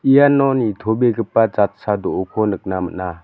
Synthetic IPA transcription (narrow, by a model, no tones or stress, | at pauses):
ijanɔnitʰɔbeɡɯpːad͡ʒat̚sadɔʔukʰɔnɯk̚namə̰na